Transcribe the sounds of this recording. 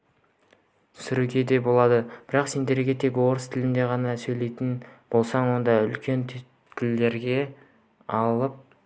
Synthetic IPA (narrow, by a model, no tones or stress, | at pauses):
sʏɾukʲe̞d̪e̞bo̞lˠɑd̪əb̥ɪɾɑqse̞nd̪e̞ɾɡʲe̞t̪ʰe̞kwo̞ɾəst̪ʰɪlɪnd̪e̞ʁɑnɑsɵjle̞jt̪ɪnb̥o̞lˠsɑɴwo̞nd̪ɑʏlkʲʰe̞nt̪ʰt | kʲʰɪlːe̞ɾɡʲe̞ | ɑlˠəp̚